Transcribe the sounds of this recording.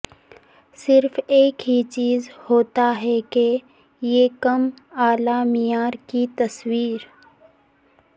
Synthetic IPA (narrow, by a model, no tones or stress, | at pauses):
sɪɾfeːkɦit͡ʃiːzhoːt̪aɦɛke | jekɐmaːlaːmɪjaːɾkit̪ɐswiːɾ